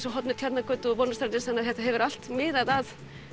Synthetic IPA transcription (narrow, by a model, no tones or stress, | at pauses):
sɔɦɔt̪nʏɾt̪ʰat̪nakœt̪ʏpɔnːast̪aɾɪsanːaðçjɛht̪aɦɛvʏɾal̥t̪mɪːðaðað